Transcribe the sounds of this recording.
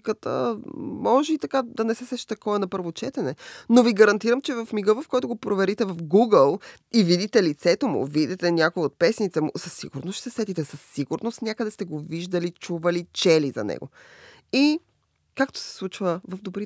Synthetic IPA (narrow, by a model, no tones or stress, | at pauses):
kət̪ə̰mɔʒɛit̪ɐkad̪ɐnɛsɛsɛʃi̥t̪ɐkɔvɐnɐpɤɾvot͡ʃɛt̪ɛnɛnoviɡɐɾɐnt̪iɾəmt͡ʃɛvɐfmiɡəvəfkɔjt̪ʊɡopɾovɛɾit̪ɛvɐfɡuɡəlˠ | ivid̪it̪ɛlit̪sɛt̪omʊ̰vid̪it̪ɛnʲjakoiot̪̚pɛsnit̪sɛmʊ̰səsːḭɡʊɾnosʃsɛsɛt̪it̪ɛsəsːiɡʊɾnost̪nʲjakəd̪ɛst̪ɛɡoviʒd̪əlit͡ʃuvɐlit͡ʃɛlizɐ̰nɛ̰ɡo̰ | i | kakt̪o̥sɛ̥slˠut͡ʃvəvɐvd̪obɾi